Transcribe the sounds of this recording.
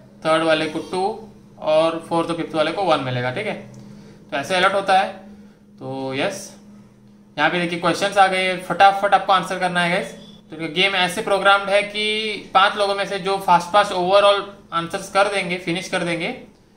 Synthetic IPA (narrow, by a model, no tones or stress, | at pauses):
t̪ʰəːɾɖʋaːlekoʈuː | ɔːɾfʰoːɾt̪opʰɪft̪ʋaːlekoʋɐnmɪleːɡaʈʰiːkɦɛt̪oɛːsaɪləɾʈɦoːt̪aɦɛː | t̪oːjɛs | d͡ʒɐɦãped̪eːkiekwɛːst͡ʃənzaːɡɐeɦɛfɐʈaːpfɐʈaːp̚koaːnsəɾkɐɾnaɦɛːɡɛk̪ũkeɡeːmɛːsepɾoːɡɾaːmɖɦɛkipãːt͡ʃloːɡõmẽsed͡ʒoːfaːsʈ̚paːsʈoːʋəɾɔːlãːnsəɾskɐɾd̪ẽːŋɡefɪnɪʃkɐɾd̪ẽːŋɡeː